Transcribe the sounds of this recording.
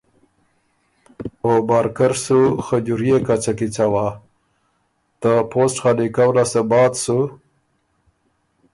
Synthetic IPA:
obɑɾkaɾsuxəd͡ʒuɾjekat͡ʃakit͡sawa | t̪əposʈxalikawlasəbɑt̪su

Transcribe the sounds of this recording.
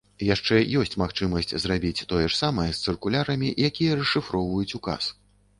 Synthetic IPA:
jaʂt͡ʂɛjɔsʲt͡sʲmaxt͡ʂɨmɐsʲt͡sʲzrabʲit͡sʲt̪ɔjɛʂsamɐjɛst̪sɨrkulʲaɾɐmʲiʔjakʲijɐrɛʂɨfɾɔwvɐjut͡sʲuka̰s

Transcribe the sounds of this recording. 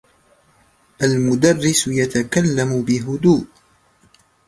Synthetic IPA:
ʔalmʊd̪arːɪsjat̪akalːamʊbɪɦʊd̪uːʔ

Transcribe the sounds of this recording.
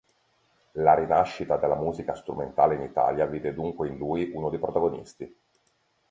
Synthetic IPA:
laɾinaʃːit̪ad̪elːamuːzikast̪ɾument̪aːleinit̪a̰ːljaviːd̪ed̪uŋkweinluːjʔunod̪ejpɾot̪aɡonḭst̪i

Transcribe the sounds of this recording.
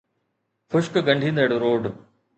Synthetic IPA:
xʊʃkɡɐ̃ɳɖʱĩːnd̪əɽɾoːɖ

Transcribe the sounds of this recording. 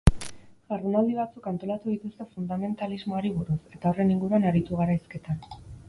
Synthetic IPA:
ʝaɾunald̪iβ̞at͡sukant̪o̞lat̪uðit̪ust̪e̞fund̪ame̞nt̪alizmo̞aɾiβ̞uɾuse̞t̪ao̞re̞niŋɡuɾuanaɾit̪uɣ̞aɾajske̞t̪an

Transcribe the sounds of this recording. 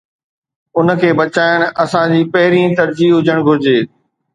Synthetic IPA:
ʊnə̆kʰeːbɐt͡ɕaːɪəɽ̃ɐsãd͡ʑiːpɐɦɪɾĩt̪ɐɾd͡ʑiːɦʊd͡ʑəɽ̃ɡʱʊɾɪd͡ʑeː

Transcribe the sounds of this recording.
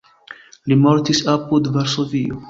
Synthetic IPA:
limoɾt̪isapud̪vaɾsovio

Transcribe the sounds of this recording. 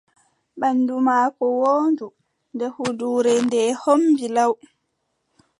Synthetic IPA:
ɓanːdumaːkɔwoːndu | ndɛhuduːɾɛndɛːhombilaw

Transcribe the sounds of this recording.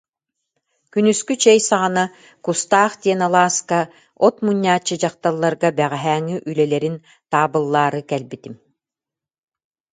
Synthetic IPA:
kynyskyt͡ɕɛjsaʁana | kust̪aːχt̪iɛnalˠaːska | ɔt̪muɲʲːaːt͡ɕːɯd͡ʑaqt̪alˠːaɾɡabɛʁɛɦæːŋyʔylɛlɛɾin | t̪aːbɯlˠːaːɾɯkɛlbit̪im

